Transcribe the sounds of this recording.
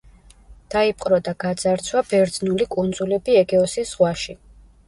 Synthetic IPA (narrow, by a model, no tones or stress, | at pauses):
d̪̥aipʼqʼɾɔd̪aɡad̪z̥aɾt̪sʰwabɛɾd̪znulikʼund̪zulɛbiɛɡɛɔsisʁwaʃi